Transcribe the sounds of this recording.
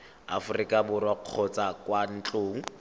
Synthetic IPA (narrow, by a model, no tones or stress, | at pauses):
a̰fʊrikʼabʊɾwaq͡χʰɔt͡sakwan̩t͡ɬʼoːŋ̩